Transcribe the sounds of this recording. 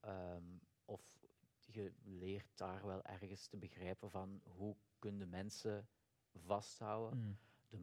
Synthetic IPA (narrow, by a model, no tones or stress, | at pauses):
əm | ɔfɣəlɪːrt̚daːrʋɛlˠʔɛ̰rɣənstəbəɣrɛjpənvɑnɦukɵnəndəmɛnsə | vɑstɦʌwədə